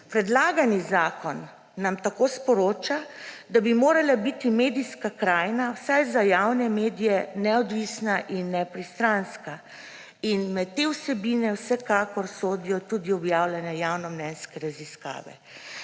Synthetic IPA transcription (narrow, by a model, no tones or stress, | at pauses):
pɾɛd̪laːɡanizaːkɔnː | amt̪akoːspɔɾoːt͡ʃad̪abimoːɾalabit̪imeːd̪iskakɾaːjnawsajzajawnɛmeːd̪ijɛnɛɔd̪ʋiːsnaʔinːɛpɾist̪ɾanska | inmɛt̪ːewsɛbiːnɛwsɛkakɔɾsoːd̪ijɔt̪ud̪iɔbjawlɛnɛjawnɔmnɛnskɛɾaziska̰ːʋɛ̰